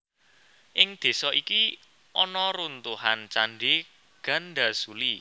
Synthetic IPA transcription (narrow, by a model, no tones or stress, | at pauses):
ʔɪŋd̪̥e̤sɔʔiki | ʔɔnɔɾunt̪uhant͡ʃaɳɖe | ɡ̥a̤nɖa̤suli